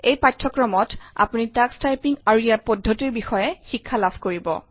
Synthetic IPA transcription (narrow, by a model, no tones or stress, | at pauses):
ejpatʰːɔkɹɔmɔta̰punitakstajpiŋaɹuijapɔdʱːotiɹbixɔjɛxikʰːalabʱkoɹibɔ̰